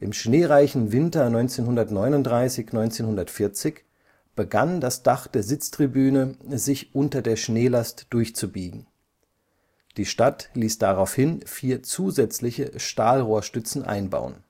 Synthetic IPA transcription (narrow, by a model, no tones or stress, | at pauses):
ʔɪmʃneːʁaɪçn̩vɪntɐnɔʏnt͡seːnɦʊndɐtnɔʏnʊntd̥ʁaɪsɪçnɔʏnt͡seːnhʊndɐtfɪɐt͡sɪç | b̥əɡandasd̥aχd̥eːɐzɪt͡stʁ̥ibyːnəzɪçʔʊntɐdeːɐʃneːlastd̥ʊɐçt͡subiːɡŋ̩ | d̥iːʃtatliːsd̥aʁaʊfhɪnfiːɐt͡suːzɛt͡slɪçəʃtaːlʁoːɐʃtʏt͡sn̩ʔa̰ɪnba̰ʊə̰n